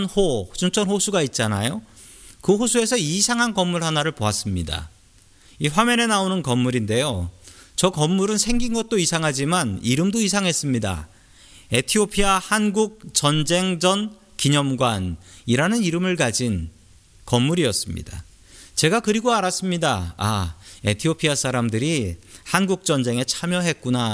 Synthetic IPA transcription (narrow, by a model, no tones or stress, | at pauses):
nhot͡ɕuŋt͡ɕʰʌnhosʰuɡait̚t͡ɕ͈ana̰jo | kɯɸosʰue̞sʰʌisʰaŋɦankʌmːuɭɦanaɾɯɭpoas͈ɯmɲida̰ | iɸwame̞ne̞naonɯnkʌmːuɾinde̞jot͡ɕʌkʌmːuɾɯnsʰe̞ŋɡinɡʌt̚t͈oisʰaŋɦad͡ʑimaniɾɯmdoisʰaŋɦe̞s͈ɯmɲida̰ | e̞tʰiopʰiahanɡuk̚t͡ɕʌnd͡ʑe̞ŋd͡ʑʌn | kiɲʌmɡwaniɾanɯniɾɯmɯɭkad͡ʑin | kʌmːuɾiʌs͈ɯmɲḭda̰ | t͡ɕe̞ɡakɯɾiɡoaɾas͈ɯmɲidaa̰e̞tʰiopʰias͈ʰaɾamdɯɾihanɡuk̚t͡ɕ͈ʌnd͡ʑe̞ŋe̞t͡ɕʰamjʌɦe̞t̚k͈una